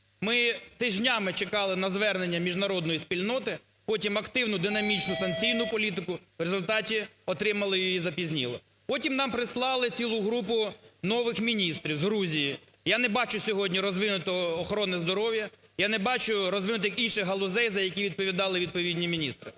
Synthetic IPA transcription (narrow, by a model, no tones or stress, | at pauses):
mɪt̪ɪʒnʲɑmɪt͡ʃekɑlˠɪnɐzʋɛrnenʲːɐmʲiʒnɐɾɔd̪nɔjisʲpʲilʲnɔt̪ɪ | pɔtʲimɐkt̪ɪwnʊd̪ɪnɐmʲit͡ʃnʊsɐnkt͡sʲijnʊpɔlʲit̪̬ɪkʊʋɾezʊlʲt̪ɑtʲiɔt̪ɾɪmɐlˠɪjɔjizɐpʲizʲnʲḭlˠɔ̰ | pɔtʲimnɑmpɾɪslˠɑlˠɪt͡sʲilˠʊɦɾupʊnɔʋɪxmʲinʲist̪ɾʲiwzɦɾuzʲiji | janɛbɑt͡ʃʊsʲɔɦɔdʲnʲiɾɔzʋɪnʊt̪ɔːxɔɾɔnɛzd̪ɔɾɔwjɐ | janɛbɑt͡ʃʊɾɔzʋɪnʊt̪ɪjɐkinʃɪɦɐlˠʊzɛjzɐjɐkʲiʋʲid̪̚pɔʋʲid̪ɑlˠɪʋʲid̪̚pɔʋʲidʲnʲimʲinʲist̪ɾɪ